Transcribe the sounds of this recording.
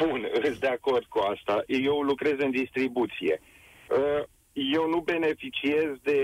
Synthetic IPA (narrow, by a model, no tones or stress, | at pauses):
b̥unɨsd̪e̞ako̞rd̪̥̚kuast̪aje̞wlukɾe̞zɨnd̪ist̪ɾibut̪sije̞̰ | ə | je̞wnube̞ne̞fit͡ʃie̞zd̪e̞